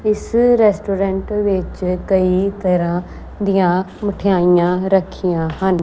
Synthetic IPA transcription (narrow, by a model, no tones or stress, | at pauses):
ɪsɾɛːsʈoːɾɛ̃ːɳʈʋɪt͡ʃkəiːt̪əɾãː | d̪ijãː | məʈʰɪjaːijãːɾəkʰːijãːɦən